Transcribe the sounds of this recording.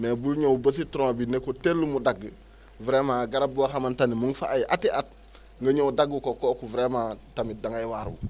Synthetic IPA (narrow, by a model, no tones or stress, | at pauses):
mebulɲowubəs̬itɾoabinekoteɾləmudaɡ | vɾemaɡaɾabuwaxamantanimuŋfa̰ajʔatiʔat̚ | ŋɡəɲowdaɡːukokokuvɾematamidaŋajwaɾṵ